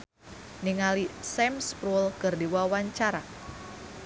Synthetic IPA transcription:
niŋalisɛmspɾulkɨrdiwawaɲt͡ʃaɾa

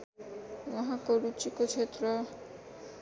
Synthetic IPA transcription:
mɔɦakoɾut͡ʃikot͡ʃʰet̪ɾɔ

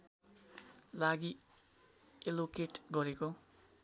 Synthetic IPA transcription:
laɡi | elokeʈɡʌɾeko

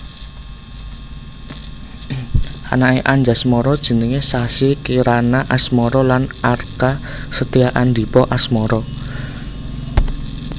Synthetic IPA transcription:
ʔa̰naeʔaɲd͡ʒasmɔɾɔd̥ʒ̥ə̤nəŋesasikiɾanaʔasmɔɾɔlanarka | sət̪iaʔand̪i̤pɔʔasmɔɾɔ

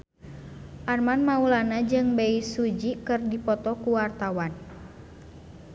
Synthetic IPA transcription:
ʔarmanmaulanad͡ʒɨŋbeisud͡ʒikɨrdipɔt̪ɔkuwart̪awan

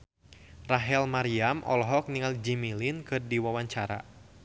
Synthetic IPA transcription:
raɦɛlmaɾiamʔɔ̰lɔɦɔk̚niŋald͡ʒimilinkɨrdiwawaɲt͡ʃaɾa̰

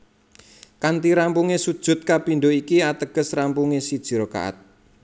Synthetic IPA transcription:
kant̪iɾampuŋesud̥ʒ̥ʊ̤t̪̚kapinɖoikiat̪əɡ̥ə̤srampuŋesid̥ʒ̥i̤ɾoka̰ʔa̰t̪̚

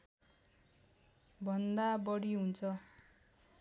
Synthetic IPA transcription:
bʱʌnd̪abʌɽiɦunt͡sʰʌ

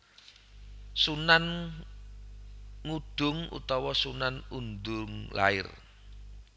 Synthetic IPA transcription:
sunan | ŋuɖ̪̥ʊ̤ŋṵt̪ɔwɔsunanund̪ʊŋla̰ɪ̰r

